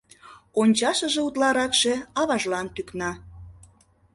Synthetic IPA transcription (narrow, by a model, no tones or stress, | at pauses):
onʲt͡ɕɑʃə̆ʒĕut̪lɑɾɑkʃĕɑβɑʒlɑnt̪yknɑ